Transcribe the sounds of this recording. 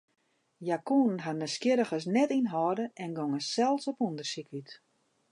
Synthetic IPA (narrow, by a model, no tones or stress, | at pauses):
jakunnɦanəskjɪɾəxəs̬nɛtinɦɔːdəʔɛnɡɔŋəsɛlˠsɔpundərsikyt